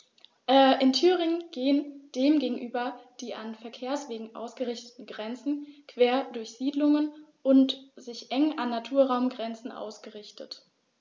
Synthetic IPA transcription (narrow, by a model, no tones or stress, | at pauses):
ʔɛːʔɪntʰyːʁɪŋənɡ̥eːənd̥eːmɡeːɡŋ̩ʔyːbɐd̥iːʔanfɛɐkʰeːɐsv̥eːɡŋ̩ʔa̰ʊsɡ̥əʁɪçtə̥tn̩ɡʁɛnt͡sn̩kv̥eːɐdʊɐçz̥iːdlʊŋənʔʊntz̥ɪçʔɛŋʔanːatʰuːɐʁaʊmɡʁɛnt͡sn̩ʔa̰ʊsɡ̥əʁɪçtət